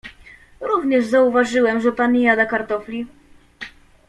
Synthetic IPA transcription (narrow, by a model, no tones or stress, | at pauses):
ɾuvɲɛʐzauvaʐɘwɛmʐɛpaɲʲːɛjad̪akaɾt̪ɔflʲi